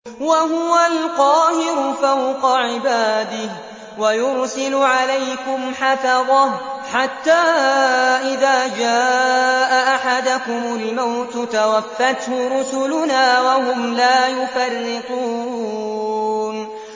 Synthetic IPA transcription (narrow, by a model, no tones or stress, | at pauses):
waɦʊwalqɑːhɪɾʊfawqɑʕɪbaːd̪ɪh | wajʊɾsɪlʊʕalajkʊmħafɑðˤɑħat̪ːaːʔɪðaːd͡ʒaːʔaʔaħad̪ʊkʊmʊlmawt̪t̪awafːat̪hʊɾʊsʊlʊnaːwahʊmlaːjʊfarːɪquː | n